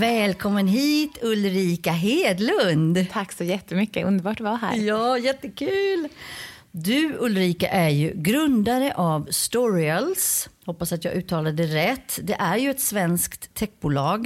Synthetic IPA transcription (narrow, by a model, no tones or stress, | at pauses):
vɛːlkʰɔmːənɦiːt̪ɵlɾiːkaɦeːd̪lɵnd̪t̪ʰaksɔjɛt̪ːəmʏkːəɵnd̪əbɑːʈ̚d̪ɵvaɦæ̰ːɾjɑːjɛt̪ːəkʰʉ̟ːl | d̪ɵɵlɾiːka̰ʔæɾjɵɡɾɵnd̪aɾəʔavst̪ɔɾɪəlshɔpːasat̪jɑːɡʔʉ̟ːt̪ʰːɑːlad̪əɾɛt̪ʰːd̪ɛʔæɾjɵɛt̪svɛnskt̪ʰːɛk̚ːbʊːlɑːɡ